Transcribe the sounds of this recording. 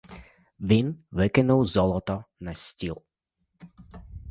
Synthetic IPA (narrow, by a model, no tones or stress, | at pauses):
ʋinʋɛkɛnɔwzɔlɔt̪ɔnascʲilˠ